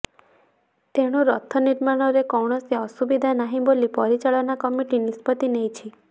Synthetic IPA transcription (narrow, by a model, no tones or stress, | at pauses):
t̪eɽ̃uɾɔt̪ʰɔniɾmaɽ̃ɔɾekɔwɳɔseɔsubid̪ʱanaɦĩbolipɔɾit͡ʃaɭɔnakɔmiʈinispɔt̪inejt͡ʃʰi